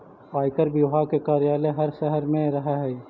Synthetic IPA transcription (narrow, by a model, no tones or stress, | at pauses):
paːɪkəɾbɪɦakekaːɾijaːleɦɐɾʃɛɦəɾmẽɾɐɦeɦɛi